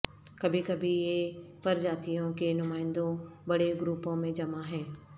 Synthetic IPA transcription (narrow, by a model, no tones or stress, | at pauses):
kɐbʱikɐbʱijepɐɾd͡ʒaːt̪ijõkenʊmaːɪ̃nd̪õbɐɽeɡɾuːpõmẽd͡ʒɐmaɦɛ̃ː